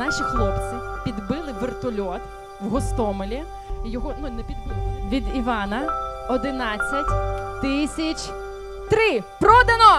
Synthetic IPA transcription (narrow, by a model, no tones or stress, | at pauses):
nɑʃʲixlˠɔpt͡sʲipʲid̪bɪlˠɪʋɪrt̪ɔlʲɔt̪ | wɦɔst̪ɔmɔlʲi | jɔɦɔnunɛpʲid̪bʋʲid̪iʋɑnɐɔd̪ɪnɑt͡sʲːɐtʲt̪ɪsʲɐt͡ʃ | t̪ɾɪpɾɔd̪ɐnɔ